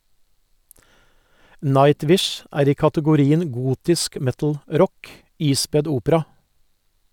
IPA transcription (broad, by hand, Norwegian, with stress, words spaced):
ˈnɑɪˌtʋɪʃ ˈæːɾ ˈiː kɑtəɡʊˈɾiːən ˈɡuːtɪsk ˈmɛtl̩ˌɾɔk ˈiːspɛd ˈuːpəɾɑ